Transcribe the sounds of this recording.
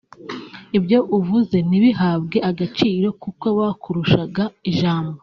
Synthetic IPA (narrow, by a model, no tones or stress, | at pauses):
ibjo̞ʔuvuze̞niβiɦaːbɡe̞ʔaɡat͡ʃiːɾo̞kuko̞βakʰuɾuʃaɡaiʒaːmbo